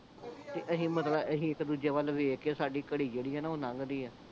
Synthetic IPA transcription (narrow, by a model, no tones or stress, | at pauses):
t̪eːʔəsĩːmət̪ləbʔəsĩːɪkd̪uːd͡ʒeːʋəlʋeːkeːsaːɖiːkəɽiːd͡ʒeːɽiːɦɛːnaːoːnãŋɡd̪iːɛː